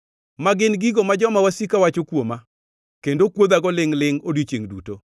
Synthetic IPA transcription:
maɡɪnɡiɡomad͡ʒɔmawasikawat͡ʃokwoma | kendokwod̪aɡɔlɪŋlɪŋodit͡ʃeŋdṵto

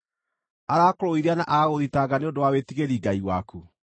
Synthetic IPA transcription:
aɾaːkoɾoiɾeanaʔaɣoðitaɡaneondowawetiɣeɾiːɡaiwaku

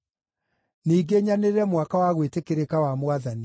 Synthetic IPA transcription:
niːɡeɲaneɾɛmwakawaɣwetekeɾekawamwaðani

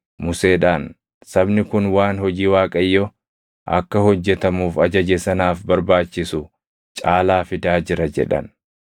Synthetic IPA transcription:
mʊse̞ːᶑaːn | sɐbnɪkʊnwaːnhɔd͡ʒiːwaːkʼɐjːɔ | ʔɐ̰kːɐhɔd͡ʒːɛt̪ɐmuːfɐd͡ʒɐd͡ʒɛsɐnaːfbɐɾbaːt͡ʃːɪsʊ | t͡ʃʼaːlaːfɪd̪aːd͡ʒɪɾɐd͡ʒɛ̰ᶑɐ̰n

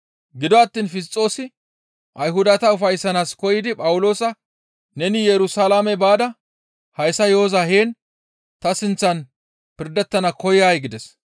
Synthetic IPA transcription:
ɡɪd̪ɔɐt̪ːiːnfɪs̬t͡sʼːo̞ːsɪ | ʔɐjɦʊd̪ɐt̪ɐʊfɐjsːɐnaːskɔjɪd̪ɪpʼɐwʊlo̞ːsɐ | nɛnɪjɛɾʊsalaːmɛbaːd̪ɐ | hɐjsɐjo̞ːzaɦeːn | t̪ɐsɪnt͡sːɐn | pɪɾd̪ɛt̪ːɐnɐkɔjjaːjɡɪd̪ɛs

